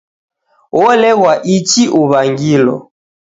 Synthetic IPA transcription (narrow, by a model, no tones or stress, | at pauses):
wɔlɛɣwaʔit͡ʃiʔuβaŋɡilɔ̰